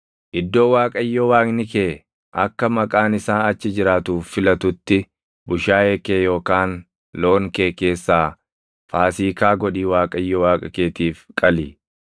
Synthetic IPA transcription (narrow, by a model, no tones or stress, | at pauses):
ʔɪd̪ːo̞ːwaːkʼɐjːɔwaːknɪkeː | ʔɐkːɐmɐkʼaːnɪsaːnɐt͡ʃːɪd͡ʒɪɾaːt̪uːfːɪlɐt̪ʊt̪ːɪ | bʊʃaːeːkeːjo̞ːkaːn | lo̞ːŋkeːkeːsːaː | faːsiːkaːɡɔɗiːwaːkʼɐjːɔwaːkʼɐkeːt̪iːfkʼɐli